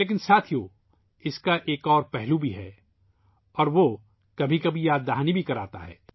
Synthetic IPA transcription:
leːk̬ɪnsaːt̪ʰijoː | ɪskaʔeːkɔːɾpɛɦlubʱiɦɛ̰ː | ɔːɾʋo | kɐbʱikɐbʱijaːd̪ːaɦnibʱikɐɾaːt̪a̰ɦɛ̰ː

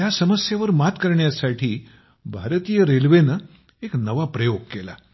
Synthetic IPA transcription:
jasəməsjaʋəɾmat̪kəɾɳjasaʈʰiː | bʱaɾt̪ijəɾelʋenə | eknəʋapɾəjoɡ̚kela̰

